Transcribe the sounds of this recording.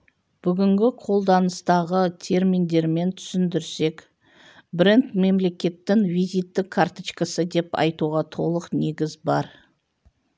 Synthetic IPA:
b̥ʏɡʲɪŋɡʲɪqʰo̞lˠd̪ɑnəst̪ɑʁət̪ʰe̞ɾmind̪e̞ɾme̞nt̪ʰʏ̥sɪnd̪ɪɾse̞k | brent̪me̞mle̞kʲe̞t̪ːɪŋvijzijt̪ːɪkʰːaɾt̪ət͡ʃkəsəd̪e̞pɑ̰jt̪uʁɑt̪ʰo̞lˠəqne̞ɡʲɪzbɑɾ

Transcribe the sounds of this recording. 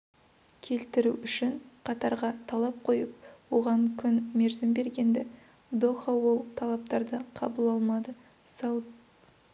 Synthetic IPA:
kʲʰe̞lt̪ɪɾuʏʃɪɴqʰɑt̪ɑɾʁɑt̪ʰɑlˠɑp̚qʰo̞jəp̚wo̞ʁɑŋkʲʰʏnme̞ɾzɪmbe̞ɾɡʲe̞nd̪ɪ | d̪oχɑwo̞lˠt̪ʰɑlˠɑp̚t̪ɑɾd̪əqʰɑ̰bəlˠɑlˠmɑd̪ə | sɑw

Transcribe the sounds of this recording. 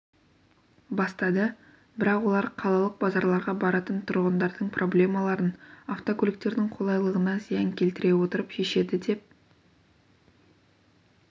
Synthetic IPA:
bɑst̪ɑd̪ə | bɪɾɑqwo̞lˠɑɾqʰɑlˠɑlˠəq̚bɑzɑɾlˠɑɾʁɑbɑɾɑt̪ənt̪ʰʊɾʁənd̪ɑɾd̪əɴprʔo̞blʲe̞mɑlˠɑɾənaft̪o̞kʰʊlɪk̚t̪e̞ɾd̪ɪŋqʰo̞lˠɑjlˠəʁənɑzijɪŋkʲʰe̞lt̪ɪɾe̞wo̞t̪əɾəpʃe̞ʃe̞d̪ɪd̪e̞p̚

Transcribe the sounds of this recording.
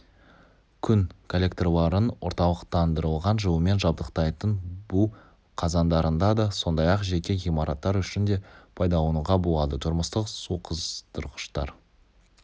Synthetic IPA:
kʲʰʏŋkʰolʲe̞kt̪rolˠɑɾənwo̞̰ɾt̪ɑlˠəqt̪ɑnd̪əɾəlˠʁɑnʒəwəme̞nʒɑb̚d̪əqt̪ɑjt̪ənbʊ | qʰɑzɑnd̪ɑɾənd̪ɑd̪ɑso̞nd̪ɑjɑqʒe̞kʲe̞ʁijmɑɾʔɑt̪ːɑɾʏʃɪnd̪e̞pʰɑjd̪ɑwonəʁɑbolˠɑd̪ət̪ʰʊɾməst̪əqsuqʰəzt̪ʰʊɾqə̥ʃt̪ɑ̰ɾ

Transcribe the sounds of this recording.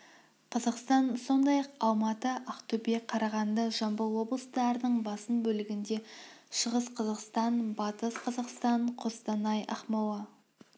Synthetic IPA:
qʰɑzɑqst̪ɑnso̞nd̪ɑjɑqɑw̪ˠmɑt̪əʔɑqt̪ʰɵbeqʰɑɾɑʁɑnd̪əʒɑmbəlˠwo̞blˠəst̪ɑɾənəɴbɑsənbɵlɪɡʲɪnd̪e̞ʃəʁəsqʰɑzɑqst̪ɑnbɑt̪əsqʰɑzɑqst̪ɑɴqʰost̪ɑnɑjɑ̰χmɑwɑ

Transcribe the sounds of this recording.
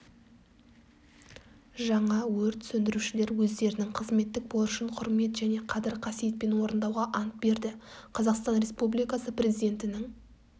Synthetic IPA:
ʒɑɴɑwɵɾt̪sɵnd̪ɪɾuʃɪle̞ɾwɵzd̪e̞ɾɪnɪŋqʰəzme̞t̪ːɪk̚boʊʃəɴqʰʊɾme̞t̪ʒæne̞qʰɑd̪ɪɾqʰɑsije̞t̪̚pe̞nwo̞ɾənd̪ɑwʁɑʔɑnt̪̚be̞ɾd̪ɪqʰɑzɑqst̪ɑnɾe̞spublijkɑsəprʲe̞zid̪ʲe̞nt̪ɪnɪŋ

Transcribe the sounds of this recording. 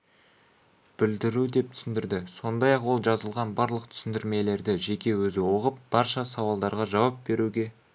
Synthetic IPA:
b̥ɪld̪ɪɾud̪e̞p̚t̪ʰʏ̥sɪnd̪ɪɾd̪ɪso̞nd̪ɑjɑqwo̞lˠʒɑzəlˠʁɑnbɑɾlˠəq̚t̪ʰʏ̥sɪnd̪ɪɾme̞le̞ɾd̪ɪʒe̞kʲe̞wɵzɪwo̞ʁəp̚b̥ɑɾʃɑsɑwɑlˠd̪ɑɾʁɑʒɑwɑp̚be̞ɾuɡʲe̞

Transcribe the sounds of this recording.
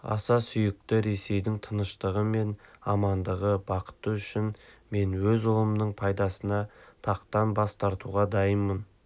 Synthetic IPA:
ɑ̰sɑsʏjɪk̚t̪ɪɾe̞se̞jd̪ɪŋt̪ʰənəʃt̪əʁəme̞nɑmɑnd̪əʁəbɑqə̥t̪əʏʃɪnme̞nwɵzʊlˠəmnəɴpʰɑjd̪ɑsənɑt̪ʰɑqt̪ɑnbɑst̪ɑɾt̪uʁɑd̪ɑjəmːən

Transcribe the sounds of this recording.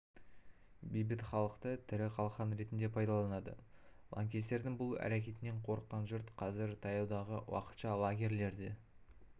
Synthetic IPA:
bijbɪt̪χɑlˠəqt̪ət̪ʰɪɾɪqʰɑlˠχɑnɾe̞t̪ɪnd̪e̞pʰɑjd̪ɑlˠɑnɑd̪ə̰ | lˠɑ̰ŋkʲe̞st̪e̞ɾd̪ɪŋbʊlˠæ̰ɾakʲe̞t̪ɪne̞ɴqʰo̞ɾəqːɑnʒʊɾt̪qʰɑzɪɾt̪ʰɑjɑwd̪ɑʁəwɑ̰qə̥t̪ʃɑlˠaɡʲe̞ɾle̞ɾd̪e

